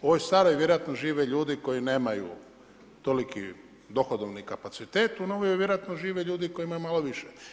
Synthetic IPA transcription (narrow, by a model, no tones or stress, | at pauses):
o̞ʋojst̪aːɾojʋjeɾoat̪noʒiːʋeʎuːd̪iko̞jineːmajṵ | t̪o̞likḭ | d̪o̞xod̪oʋnikapat̪sit̪eːt̪unoʋojojʋjeɾoat̪noʒiːʋeʎuːd̪iko̞jimajumaloʋiʃe